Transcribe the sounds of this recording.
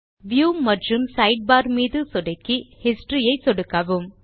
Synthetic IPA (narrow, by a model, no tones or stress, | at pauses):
ʋjuːmɐʈrɯmsɐɪɖ̚baːɾmiːðɯsɔɽɐkːihɪsʈɾijɐɪsɔɽɯkːɐʋɯm